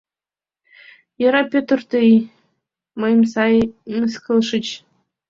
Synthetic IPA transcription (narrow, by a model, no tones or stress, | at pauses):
jɤ̆ɾɑpʲøt̪ərt̪ɨi | mɤjmsɑjmskɤlˠʃɨ̆t͡ɕ